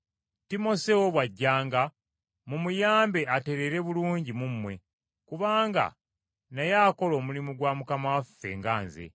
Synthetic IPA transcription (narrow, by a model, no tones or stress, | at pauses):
timo̞sewoβwaɟːaːŋɡa | mumujaːmbe̞ate̞ɾe̞ɾe̞βuluːɲɟimumːwe̞ | kuβaːŋɡa̰ | najaːko̞lo̞ːmulimuɡwaːmukamawafːe̞̰ŋɡaːnzḛ